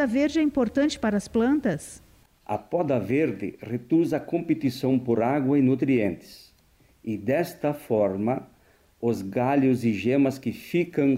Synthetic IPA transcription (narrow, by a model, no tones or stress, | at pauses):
ɐveɾd͡ʒɪɛĩmpoɾt̪ɐ̃nt͡ʃɪ̥paɾɐːsplɐ̃nt̪ɐs | ɐ̰pɔd̪ɐveɾd̪ɪ̰red̪uzɐkõmpet̪isɐ̃w̃poɾaɡwɐɪnut̪ɾiẽnt̪ɪ̥s | ɪd̪ɛst̪ɐfɔɾmɐ | ʊzɡaʎʊzɪʒemɐskɪfikɐ̃